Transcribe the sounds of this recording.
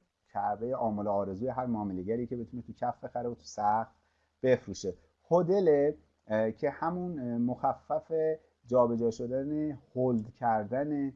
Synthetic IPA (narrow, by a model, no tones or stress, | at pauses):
cʰæʔbe̞jeʔɒːmoloɒːɾe̞zuːjeɦæɾmɒːmeleɡæɾicʰe̞bet̪ʰunet̪ʰucʰæfb̥e̞xæɾeot̪ʰu̥sæxt̪ | b̥e̞fɾuːʃe | hod̪e̞le | cʰe̞hæmunmoxæfːæfe | d͡ʒɒːbe̞d͡ʒɒːʃo̞d̪ænehold̪cʰæɾd̪æne